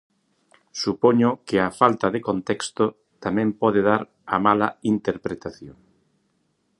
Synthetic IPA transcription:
supoɲʊkɪafalt̪ɐðekont̪ɛkst̪o | t̪amɛ̃mpɔðeðaɾ | ɐmalɐint̪eɾpɾet̪aθjoŋ

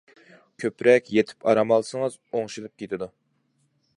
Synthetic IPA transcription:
kʲʰøpɾɛkʲjet̪ʰɪ̥pɑɾɑmɑlˠsɨŋɨzoŋʃilˠɨp̚kʲʰet̪ʰɪd̪u

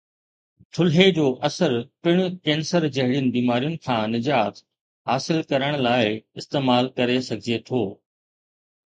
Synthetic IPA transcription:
t̪ʰʊlɦed͡ʑoːʔɐsəɾpɪɽ̃ʊkẽːnsəɾd͡ʑɐɦɪɽijʊnɪ̆biːmaːɾijʊnɪ̆kʰãːnɪd͡ʑaːt̪ | ɦaːsɪlkɐɾəɽ̃laːɪɪst̪eːmaːlkɐɾesɐɡʱɪiet̪ʰoː

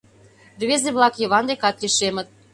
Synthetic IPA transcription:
rβezeβlɑkjɤ̆βɑnd̪ekɑt̪lʲiʃemə̆t̪̚

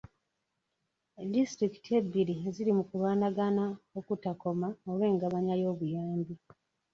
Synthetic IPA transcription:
distɾiki̥tie̞bːiɾizilimukulwaːnaɡanaokutako̞maolwe̞ːŋɡaβaɲajo̞ːβujaːmbi

